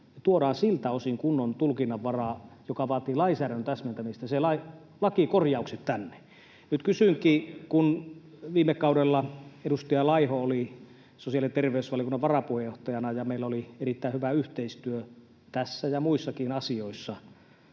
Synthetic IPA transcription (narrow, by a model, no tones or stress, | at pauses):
t̪uodɑːnsilt̪æosiŋkunːont̪ulkinːɑʋʋɑrɑːjokɑʋɑːt̪iːlɑisæːɾønt̪æsmænt̪æmist̪æselɑi | lɑkikorjɑukset̪t̪ænːe̥ | nyt̪kysyŋkiːkun | ʋiːmekkɑudelːɑeɾust̪ɑjɑlɑihooli | sosiɑlient̪erʋeysʋɑlijokunːɑʋʋɑrɑpuhejoht̪ɑjɑnɑjɑmeilæolierit̪ːæˑihyʋæyht̪eist̪yø | t̪æsːæjɑmuisːɑkiːnɑsioisːɑ